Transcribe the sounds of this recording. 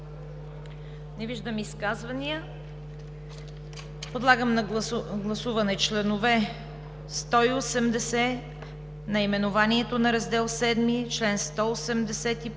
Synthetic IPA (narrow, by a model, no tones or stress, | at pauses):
nɛviʒd̪əmiskazvɐnijə | pod̪lˠaɡəmnɐɡlˠɐsuvɐnɛt͡ʃlɛnʊvɛ | st̪ɔiosɛmd̪ɛsɛ | nɐimɛnʊvaniɛt̪onɐɾɐzd̪ɛlˠsɛd̪mit͡ʃlɛnst̪ɔosɛmd̪ɛsɛt̪i